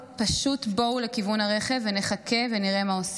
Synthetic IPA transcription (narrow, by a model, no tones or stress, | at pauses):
paʃutbo̞wle̞kivunaʁe̞χe̞vːene̞χake̞ve̞niʁe̞maos